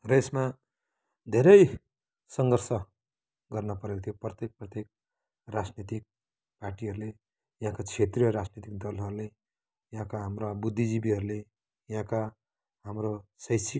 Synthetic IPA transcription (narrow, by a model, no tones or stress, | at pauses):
resma | d̪ʱeɾʌj | sʌŋɡʌrsʌ | ɡʌrnʌpʌɾet̪ʰijoprʌt̪ek̚prʌt̪ek̚ | rad͡znit̪ik̚ | paʈiɦʌɾule | jʌɦãkat͡sʰet̪rijʌɾad͡znit̪ik̚d̪ʌlɦʌɾule | jɦãkaɦamrabud̪ʱːid͡zibiɦʌɾule | jɦãka | ɦamrosʌjsik